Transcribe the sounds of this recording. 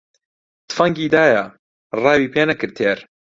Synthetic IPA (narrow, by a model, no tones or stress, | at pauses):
t̪fɐŋɡiːd̪aːjɐ | rɑːwiːpʰeːnɐkɨɾt̪ʰeːɾ